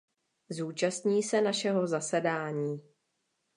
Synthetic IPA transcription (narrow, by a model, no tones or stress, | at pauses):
zuːt͡ʃast̪ɲiːsɛnaʃɛɦo̞zasɛdaːɲiː